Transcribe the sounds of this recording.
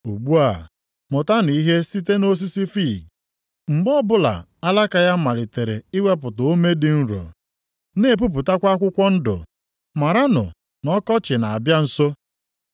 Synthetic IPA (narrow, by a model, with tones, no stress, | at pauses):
u˨ɡ͡bu˦a˨ | mʊ˨ta˦ni˨i˦ɦe˦si˦te˦no˦s̬i˦si˦fi˦˨ | ŋ͡m̩˨ɡ͡bɔ˦bʊ˦la̰˨ | a˦la˦ka˨ja˦ma˨lɪ˨te˨ɾḛ˨i˦we˦p̬ʊ˨tʊ˨o˦me˦dɪ˨n̩˦ɾo̰˨ | ne˨p̬u˦p̬u˨ta˦kʷa˦kʷʊ˦kʷɔ˦n̩˦dʊ̰˨ | ma˨ɾa˦nʊ̰˨ | nɔ˦kɔ˦t͡ʃɪ˨na˨a˨bja˦n̩˨so˦